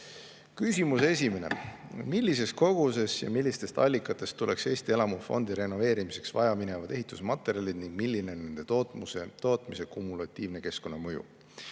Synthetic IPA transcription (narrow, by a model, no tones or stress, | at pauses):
kysʲimuse̞s̬ʲime̞ne̞̰milʲːis̬e̞sko̞ɡ̥use̞sjɑ̰milʲːist̪e̞st̪ɑlʲːikːˑɑt̪ːˑe̞st̪ːule̞kse̞ːst̪ie̞lɑmufo̞̰nd̪̥iɾe̞no̞ve̞ːɾimise̞ksvɑjɑmine̞vɑd̪e̞ɦit̪ːˑusmɑt̪ːˑe̞ɾʲjɑlʲid̪̥niŋɡ̥milʲːine̞onːe̞nd̪e̞t̪ot̪muset̪o̞ːt̪mise̞kumulɑt̪ʲːiːvne̞ke̞sko̞nːɑmɤjṵ